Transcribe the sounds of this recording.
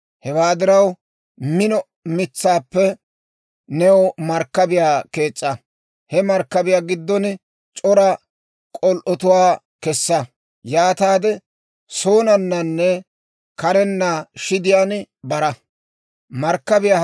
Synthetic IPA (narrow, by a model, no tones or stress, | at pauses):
hɛwaːd̪ɪɾɐw | mɪnɔ | mɪt͡sːaːpːɛ | nɛwɔmɐɾkːɐbɪjaːke̞ːt͡sʼːɐ | hɛmɐɾkːɐbɪjaːɡɪd̪ːɔn | t͡ʃʼɔɾɐ | kʼɔlʔɔt̪ʊwaː | kɛsːɐ | jaːt̪aːd̪ɛ | soːnɐnːɐnːɛ | kɐɾɛnːaʃɪd̪ɪjaːn | bɐɾɐ | mɐɾkːɐbɪjaː